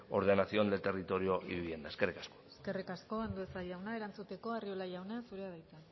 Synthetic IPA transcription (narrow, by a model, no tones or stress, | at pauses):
o̞̰ɾðenasioand̪et̪erit̪o̞ɾio̞ʔḭβuβiiend̪aeskerikasko̥eske̞rikasko̞and̪uesaʎawnae̞ɾant͡sut̪e̞ko̞ariolaʝawnasuɾeaβajt̪a